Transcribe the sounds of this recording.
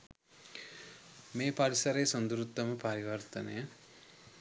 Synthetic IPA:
meːpaɾisɐɾejsond̪uɾut̪ːɐməpɐɾiʋɐrt̪ɐnejə

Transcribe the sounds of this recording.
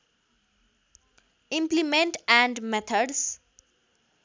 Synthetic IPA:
ĩmplimẽɳʈæ̃ɳɖmet̪ʰəɖs

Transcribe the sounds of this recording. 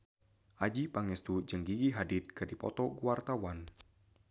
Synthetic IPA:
ʔad͡ʒipaŋɛst̪ud͡ʒəŋɡiɡiɦadɪt̪̚kɨdipɔ̰t̪ɔɡuwart̪awan

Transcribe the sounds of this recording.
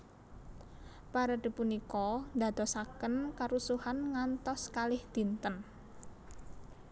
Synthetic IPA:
paɾad̪̥i̤punikɔnd̪a̤d̪̥ɔ̤sakənkaɾusuhanŋant̪ɔskalɪhd̪̥i̤nt̪ən

